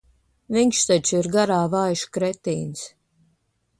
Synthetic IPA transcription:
viŋʲkʃt̪at͡ʃiɾɡaɾaːvajʃkɾɛt̪iːns

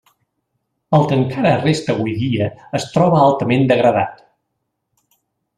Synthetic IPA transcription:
əlˠkəŋkaɾəːrest̪əːβujðiəːst̪ɾɔβəalˠt̪əmend̪əɣɾəða̰t̪

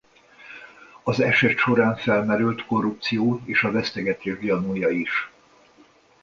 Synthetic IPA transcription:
ɒzɛʃɛt̪ʃo̞ɾaːɱfɛlmɛɾylt̪ko̞rːup̚t̪sijoːeːʃɒvɛst̪ɛɡɛt̪eːʒɡjɒnujɒiʃ

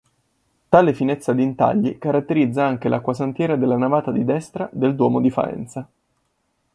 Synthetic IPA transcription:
t̪aːlefinɛt̪sːad̪int̪a̰ʎːikaɾat̪ːeɾid̪zːaaŋk̟elʔakːwasant̪jɛːɾad̪elːanavaːt̪ad̪id̪ɛst̪ɾad̪eld̪wɔːmod̪ifa̰ɛ̰nt̪sa

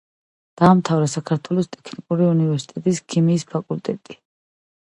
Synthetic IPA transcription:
d̪̥aːmt̪ʰavɾɛsakʰaɾt̪ʰwɛlˠɔst̪ʼɛ̥kʰnikʼuɾiunivɛɾsi̥t̪ʼɛt̪ʼiskʰimiːspʰakʼult̪ʼɛt̪ʼi

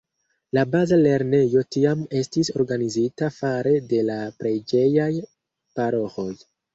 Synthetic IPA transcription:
labazale̞ɾne̞jo̞tiame̞stiso̞ɾɡanizitafaɾe̞de̞lapɾe̞jd͡ʒe̞jaj | paɾo̞xo̞j

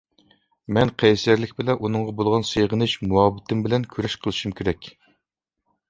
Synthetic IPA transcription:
mɛnqʰɛjsjæɾlɪkʲbɪlɛʔunɨŋʁɑbolˠʁɑnsejʁənɨʃmuɑbt̪ɪmbɪlɛnkʲʰyɾɛʃqʰəlˠɨʃumkʲʰeɾɛkʲ

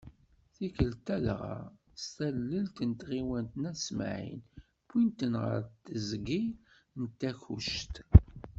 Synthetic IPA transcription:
θikəlt̪ælʁa̰ | st̪ælːəlt̪ənt̪ʁiwənt̪næsm̰ʕḭn | pːint̪ənʁə̰ɾt̪ːəzɡi | nt̪ːæçṵʃt̪

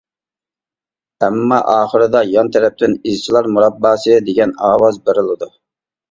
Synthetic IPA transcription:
ɛmːɑʔɑːχəɾɨd̪ɑjɑnt̪ʰɛɾɛp̚t̪ʰɪnizt͡ʃʰilˠɑɾmuɾɑbːɑːsɨd̪eɡʲɛnɑːwɑzbeɾɪlˠɨd̪u

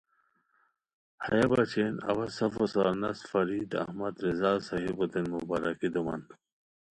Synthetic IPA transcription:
hɐjɐbat͡ɕʰenɐ̰wɐsɐfosanɐsfɐɾiːd̪ɐ̰hmɐd̪ɾizaːsɐɦibot̪enmubaɾakid̪umɐ̰n

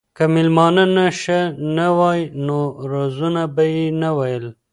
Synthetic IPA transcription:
kamɪlmɑnənaʃənawɑjnoɾozunabajenawajəl

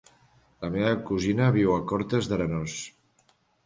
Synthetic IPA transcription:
ləmeβəkuzinəβiwəkɔɾt̪ezðəɾənos

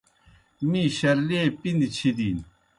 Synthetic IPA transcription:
miɕɐɾleːpind̪t͡ɕʰid̪iːn

